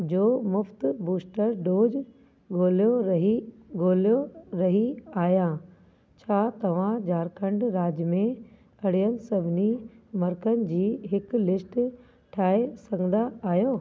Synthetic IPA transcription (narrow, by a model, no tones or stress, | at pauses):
d͡ʑoːmʊft̪buːsʈəɾɖoːd͡ʑ | ɡoːljoɦi | ɡoːljoɾɐɦiaːjãː | t͡ɕʰaːt̪ɐʋ̤ãd͡ʑaːɾkʰə̃ɳɖɾaːd͡ʑmẽ | ɐɽ̤ijənɪ̆sɐbʱɪnimɐɾkənɪ̆d͡ʑiːɦɪk̆lɪsʈ | ʈʰaːɦesɐ̃ŋɡənd̪aaːjoː